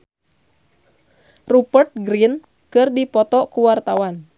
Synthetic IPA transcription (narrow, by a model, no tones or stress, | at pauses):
rupərt̪̚ɡɾin | kɨrdipɔt̪ɔkuwart̪awan